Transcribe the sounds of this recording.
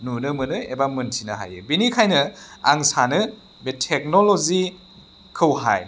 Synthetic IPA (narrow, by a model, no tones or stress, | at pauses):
nunɯmɯnɯebamɯntʰinɯɦa̰jɯ̰binikʰajnɯa̰ŋsanɯ | betʰek̚nolozi | kʰɯwɦa̰j